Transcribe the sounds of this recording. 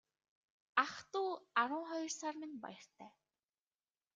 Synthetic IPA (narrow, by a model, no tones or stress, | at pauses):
aχt̪uːaɾʊːχɔjɞ̆rsaːrmɪ̆npa̰jɞ̆r̥t̪ʰæː